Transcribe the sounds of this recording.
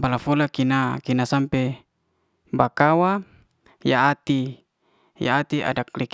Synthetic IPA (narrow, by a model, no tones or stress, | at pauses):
balafolakinakinasampɛ | bakawa | jaːt̪i | ja̰at̪ia̰dak̚lik